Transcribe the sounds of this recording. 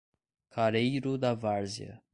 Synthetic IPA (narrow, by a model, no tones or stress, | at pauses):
kʰaɾejɾʊd̪ɐvaɾziɐ̰